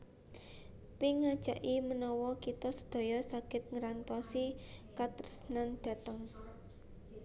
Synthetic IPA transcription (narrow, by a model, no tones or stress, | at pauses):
piŋad̥ʒ̥a̤ʔimənɔwɔkit̪ɔsə̥d̪̥o̤jɔsakɪt̪̚ŋəɾant̪ɔsikat̪ərsnand̪̥ä̤t̪əŋ